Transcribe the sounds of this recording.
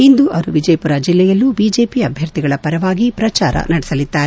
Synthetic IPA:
ind̪uʔɐɾuʋid͡ʒɐjpuɾad͡ʒilːɛjɐlːubiːd͡ʒeːpiɐbʱjɐɾt̪iɡɐɭɐpɐɾɐʋaːɡipɾɐt͡ʃaːɾɐ̰nɐɽɛsɐlid̪ːaːɾe

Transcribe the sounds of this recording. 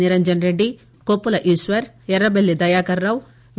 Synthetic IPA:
iɾɐɲd͡ʒɐnɾeɖːi | koːpːulɐʔiːsʋɐɾ | jɛɾɐbelːid̪ɐjaːkɐɾːɐw | ʋ

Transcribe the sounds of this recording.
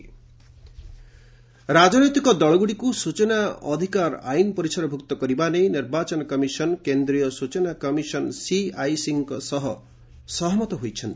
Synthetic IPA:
ɾad͡ʒɔnɔjt̪ikɔd̪ɔɭɔɡuɽikusut͡ʃɔnaɔ̰d̪ʱikaɾa̰jnɔpɔɾisɔɾɔbʱukt̪ɔkɔɾibanejniɾbat͡ʃɔnɔkɔmisɔnkend̪ɾijɔsut͡ʃɔnakɔmisɔnsiajsiŋkɔsɔɦɔ | sɔɦmɔt̪ɔɦojt͡ʃʰɔnt̪i

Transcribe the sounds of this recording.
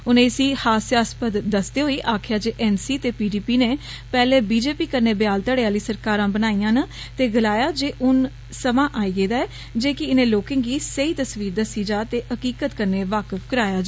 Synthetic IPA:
ʊnẽːɪsiːhaːsjaːspəd̪d̪əsd̪eːɦoːiːʔaːkʰjaːd͡ʒeːʔɛːnsiːt̪eːpiːɖiːpiːneː | pɛːleːbiːd͡ʒeːpiːkəɾneːbjaːlt̪əɽeaːliːsəɾkaːɾãːbənaːijãːnə | t̪eːɡəlaːjaːd͡ʒeːʔʊn | səmãːʔaːiːɡeːd̪aːɛː | d͡ʒeːkɪɪnẽːloːkɪ̃ŋɡɡiːsəiːt̪əsʋiːɾd̪əsiːd͡ʒaːt̪eːəkiːkət̪kəɾneːʋaːkəfkəɾaːjaːd͡ʒ

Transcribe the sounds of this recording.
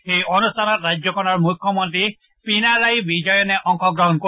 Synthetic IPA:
xejʔɔnustʰanɔtɾad͡ʒjɔkɔnɔɹmukʰːjɔmɔnt̪ɾi | pinalajbid͡ʒɔjɔneʔɔŋkʰɔɡɾɔɦɔnko

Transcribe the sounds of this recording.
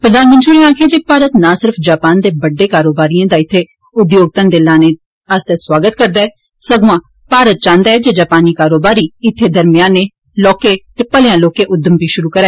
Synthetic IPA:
pɾəd̪aːnmənʈʃuːneaːkʰeːd͡ʒeːpaːɾət̪nãːsɪɾpʰd͡ʒaːpaːnd̪eːbəɖːeːkaːɾoːbaːɾiãːd̪aːɪt̪ʰːeː | ʊd̪joːɡ̚t̪ənd̪elãːneː | əst̪eːswaːɡət̪kəɾd̪aːɛː | səɡuãː | paːɾət̪̚t͡ʃãːnd̪aːɛːd͡ʒeːd͡ʒaːpaːniːkaːɾoːbaːɾiːɪt̪ʰːeːd̪əɾmɪjãːneː | lɔːkeːt̪eːpəljãːloːkeːʔʊd̪əmbiːʃʊɾuːkəɾɛː

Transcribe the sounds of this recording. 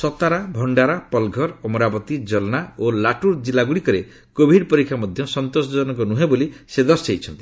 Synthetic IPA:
sɔt̪aɾabʱɔɳɖaɾapɔlɡʱɔɾɔmɔɾabɔt̪id͡ʒɔlɔnaolaʈuɾd͡ʒilaɡuɽikɔɾe | kobʱiɖpɔɾikʰːamɔd̪ʱjɔsɔnt̪osɔɔnɔŋkɔnuɦebolised̪ɔseit͡ʃʰɔnt̪i

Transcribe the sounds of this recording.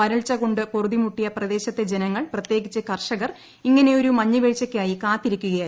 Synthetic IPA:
ɐɾɐɭt͡ɕːɐɣo̞ɳɖɨporðimuʈːijɐprɐd̪e̞ːɕɐt̪ːe̞d͡ʑenɐŋːɐɭprɐt̪je̞ːɡit͡ɕːɨkɐrʂɐɣɐr | iŋːɐne̞o̞ɾumɐɲːɨʋeɻt͡ɕːɐkʲːaːjikaːt̪ːiɾikʲːuɣɐjaː

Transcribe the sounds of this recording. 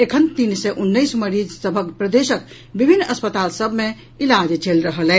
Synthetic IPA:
ekʰənt̪insɛʔunːəjsməɾid͡ʒsəbʱəkpɾəd̪esək | bibʱinːəspət̪alsəbʱme | ilad͡ʒt͡ʃelɾəɦəlɛ

